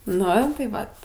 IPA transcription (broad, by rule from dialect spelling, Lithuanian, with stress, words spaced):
ˈnʊ tɐɪ ˈʋɐt